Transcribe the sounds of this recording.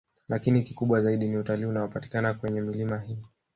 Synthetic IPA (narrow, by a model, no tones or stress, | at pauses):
lakinikikuɓwazaiɗiniutaliːunawɔpati̥kanakwɛɲɛmilimaɦi